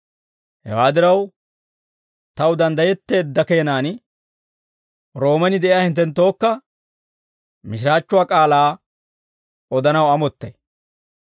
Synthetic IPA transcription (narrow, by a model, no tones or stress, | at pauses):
hɛ̰waːd̪ɪɾɐw | t̪ɐwd̪ɐnd̪ɐjɛt̪ːeːd̪ːɐkeːnaːn | ɾo̞ːmɛnɪd̪ɛʔɪjaːhɪnt̪ːɛnt̪ːo̞ːkːɐ | mɪʃ̬ɪɾaːt͡ʃːʊwaːkʼaːlaː | ɔd̪ɐnɐwɐmɔt̪ːɐ̰j